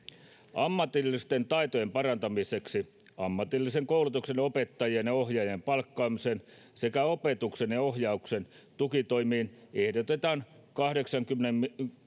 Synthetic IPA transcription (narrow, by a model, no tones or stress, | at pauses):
ɑmːɑt̪ilːist̪ent̪ɑit̪ojempɑrɑnt̪ɑmiseksi | ɑmːɑt̪ilːiseŋkoulut̪uksenopet̪ːɑjienjɑohjɑjempɑlkːɑːmisen | se̞kæopet̪uksenjɑohjɑuksen | t̪ukit̪o̞imiːnehdot̪et̪ɑːnkɑhdeksɑŋkymːnem